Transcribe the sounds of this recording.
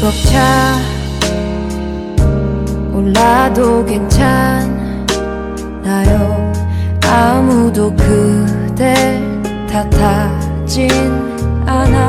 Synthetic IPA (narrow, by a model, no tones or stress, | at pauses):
pʌk̚t͡ɕʰa | olːadoɡent͡ɕʰan | najoŋamudokɯte | tʰatʰa | d͡ʑin | ana